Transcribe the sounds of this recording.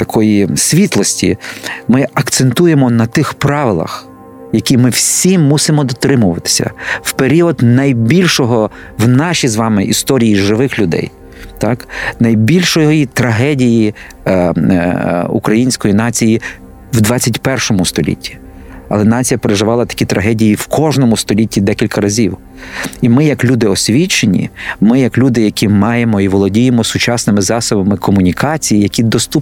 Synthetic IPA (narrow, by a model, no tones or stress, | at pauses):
t̪ɐkʰɔjisʲʋʲit̪lˠɔsʲtʲḭmɪɐkt̪sent̪ujemɔnɐt̪ɪxpɾɑʋɪlˠɐ̰x | jɐkʲimɪwsʲimːusɪmɔd̪ɔt̪ɾɪmʊʋɐt̪ɪ̥sʲɐ̰wpeɾʲiɔd̪nɐjbʲilʲʃɔɦɔ | wnɑʃʲizʋɑmɪʔist̪ɔɾʲijiʒɪʋɪxlʲʊd̪ɛ̰j | t̪ɑknɐjbʲilʲʃɔjjit̪ɾɐɦɛdʲiji | ṵkɾɐjinʲsʲkɔjin̪ɑt͡sʲiji | wd̪ʋɑt͡sʲːɐtʲpɛrʃɔmʊst̪ɔlʲḭtʲʰːi̥ | ɐlˠɛnɑt͡sʲijɐpeɾeʒɪʋɑlˠɐt̪ɐ̥kʲit̪ɾʔɐɦɛdʲijiwkʰɔʒnɔmʊst̪ɔlʲitʲːid̪ɛkʲilʲkɐɾɐzʲiw | imɪjɐklʲud̪ɪɔsʲʋʲit͡ʃenʲḭmɪjɐklʲud̪ɪjɐkʲʰimɑjemɔiʋɔlˠɔdʲijemɔsʊt͡ʃɑsnɪmɪzɑsɔbɐmɪkʰɔmʊnʲikɑt͡sʲijijɐkʲid̪ɔst̪up